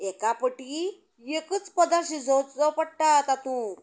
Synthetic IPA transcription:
ɛkapəʈi | jekət͡spəd̪aɾɕid͡zɔd͡zɔpəɽʈat̪at̪ũ

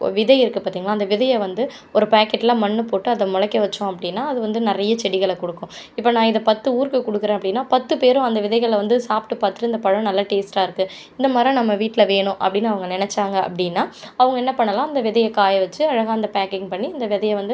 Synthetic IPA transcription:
ʋɪðɐɪɪɾɯkːɯpaːɾt̪iːŋɡɐɭaːɪnd̪ɐʋɪðɐjɐʋɐnd̪ɯ | ɔɾɯpaːkːɛʈːɪlãːmɐɳːɯpoːʈːɯɐðɐmʊɻɐkːɐʋɐt͡ʃːʊ̃ɐpːɐɽɪnːaːɐðɯʋɐnd̪ɯnɪɾɐjɐt͡ʃɛɽɪɣɐɭkɔɽɯkːʊ̃ɪpːɐːnãːɪðɐpɐt̪ːɯuːɾkɯkʊɽɯkːɯɾẽːɐpːɐɽɪnːaːpɐt̪ːɯpeːɾʊ̃ɐnd̪ɐʋɪðɐɪɣɐɭʋɐnd̪ɯsaːpʈːɯpaːɾt̪ɪ̥ʈɯɪnd̪ɐpɐɻɐ̃nɐlːɐʈeːsʈaːɪɾɯkːɯ | ɪnd̪ɐmaːd̪ɾĩnɐmːɐʋiːʈːɪlɐʋeːɳʊ̃ʔɐ̰pːɐɽɪnːɐʋɐŋɡɐnɪnɛt͡ʃːaːŋɡɐɐ̰pːɐɽɪnːaːɐʋɐŋɡɐɛnːɐpɐɳːɐlãːɐnd̪ɐʋɪðɐjɐkaːjɐʋɐt͡ʃːɯɐɻɐɣaːɐnd̪ɐpaːkɪŋɡpɐɳːiɐnd̪ɐʋɪðɐjɐʋɐnd̪ɯ

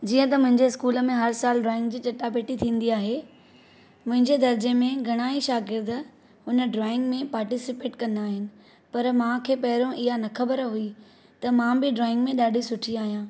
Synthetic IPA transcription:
d͡ʑiːə̃t̪ɐmʊ̃ɦɪ̃ɲd͡ʑeɪskuːlə̆mẽɦɐɾsaːlɖɾɔːɪ̃ŋɡ̚d͡ʑiːt͡ɕɐʈːapeːʈit̪ʰĩːn̆d̪iaːɦe | mʊ̃ɦɪ̃ɲd͡ʑed̪ɐɾd͡ʑemẽɡʱɐɽ̃aːiʃaːɡɪɾd̪ | ʊnəɖɾɔːɪ̃ŋɡmẽpaːɾʈisɪpeːʈkɐ̃nd̪aːɦɪnɪ̆ | pɐɾmãːkʰeːpɐɦɪɾõʔɪɦanɐkʰɐbəɾɦui | t̪ɐmãːbɪɖɾɔːɪ̃ŋɡmẽɗaːɖʱisʊʈʰiaːɦijãː

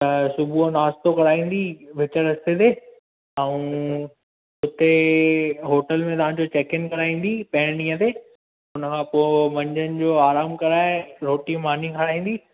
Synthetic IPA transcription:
t̪ɐsʊbʱunaːst̪okɐɽaːĩːn̆d̪iʋɪt͡ɕəɾɐst̪et̪eː | aũ | ʊt̪e | ɦoːʈəlmẽt̪ɐʋãːd͡ʑot͡ɕeːkɪnkɐɽaːĩːn̆d̪ipɐɦɪɽ̃nĩːə̃t̪eː | ʊnəkʰãːpoːmɐ̃ɲd͡ʑənɪ̆d͡ʑoːaːɾaːmkɐɾaːeɾoːʈimaːn̤ikʰɐɽ̤aːɦĩːnd̪i

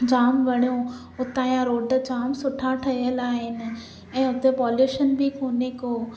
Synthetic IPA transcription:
d͡ʑaːmʋɐɽijõ | ʊt̪ãːjãɾoːɖd͡ʑaːmsʊʈʰaʈʰɐijəlaːɦɪnɪ̆ | ɛ̃ːʊt̪epɔːljuːʃənbʱikoːnekoː

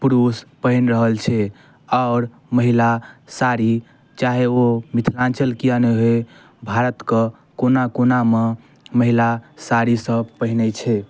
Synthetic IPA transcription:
pɾuspəɦinɾəɦəlt͡ʃʰɛ | aʊɾ | məɦilasaɾi | t͡ʃaɦeomit̪ʰɾãnt͡ʃəlkijaneɦoe | bʱaɾət̪kə | konakoname | məɦilasaɾisəpəɦinɛt͡ʃʰɛ

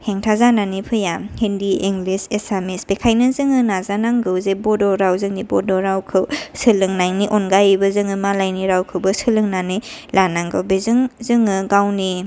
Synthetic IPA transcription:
heŋtʰazananipʰɯjahendiiŋɡlisesamisbekʰajnɐzɯŋɯnazanaŋɡɯwzebɔdɔɾawzɯŋnibɔdɔɾawkʰɯwsɯlɯŋnaŋniʔonɡajbɐzɯŋɯmalajniɾawkʰɯwbɐsɯlɯŋnanilanaŋɡɯwbezɯŋzɯŋɯɡawni

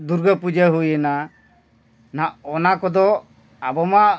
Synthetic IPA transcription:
d̪uɾɡəpud͡ʒəɦujɛna | naʔɔnakɔd̪ɔ | abɔma

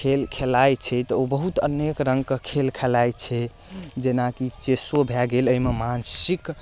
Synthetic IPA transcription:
kʰelkʰelajt͡ʃʰɛt̪ɔobəɦut̪ə̰nekɾəŋɡ̚kekʰelkʰɛlajt͡ʃʰɛ | d͡ʒenakit͡ʃesobʱɛɡeləimemansik

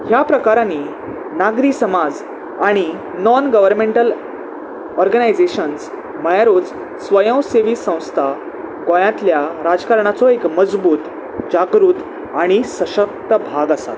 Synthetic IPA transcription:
hjapɾəkaɾãni | naɡɾiːsəmad͡z | aɽ̃i | nɔnɡəʋəɾmẽɳʈəl | ɔɾɡənajd͡zeɕəns | məjaɾod͡z | sʋəjə̃w̃seʋiːsə̃w̃st̪ʰa | ɡõjãt̪ljaɾad͡zkaɾɳat͡sɔekməd͡zbuːt̪ | d͡ʑaɡɾuːt̪ | aɽ̃isəɕək̚t̪əbʱaɡasa̰t̪

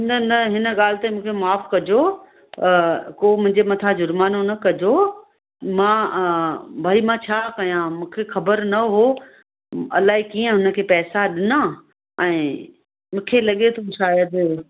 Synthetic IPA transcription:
nənɐɦɪnə̆ɠaːl̤t̪amũːkʰemaːfkɐd͡ʑo | koːmʊ̃ɦɪ̃ɲd͡ʑemɐt̪ʰad͡ʑʊɾmaːnonɐkɐd͡ʑo | mãː | bʱaːimãt͡ɕʰaːkɐjãmũːkʰexɐbəɾnɐɦo | ɐ̰laːɦikiːə̃ɦʊnə̆kʰeːpɛːsaɗɪnã | ɛ̃ː | mʊ̃ːkʰelɐɠet̪ʰoʃaːjəd̪

